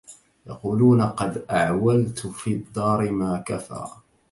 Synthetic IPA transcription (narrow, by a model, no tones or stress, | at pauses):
jɑ̰quːluːnaqɑd̪ʔaʕwalt̪fiːd̪ːɑːɾɪmaːkafa̰ː